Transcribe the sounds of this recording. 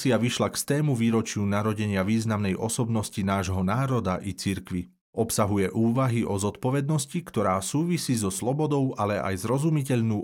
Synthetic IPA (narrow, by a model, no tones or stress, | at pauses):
t͡siaʋiʃlakst̪ɛːmuʋiːɾɔt͡ʃɪunaɾɔɟɛɲɪaʋiːznamnɛjʔɔsɔbnɔscinaːʒɦɔnaːɾɔd̪aʔit͡siɾkʋi | ɔpsaɦujɛʔuːʋaɦiʔɔzɔt̪pɔʋɛd̪̚nɔscikt̪ɔɾaːsuːʋisiːzɔslɔbɔd̪ɔʊʔalɛʔa̰jzɾɔzumicɛʎnuː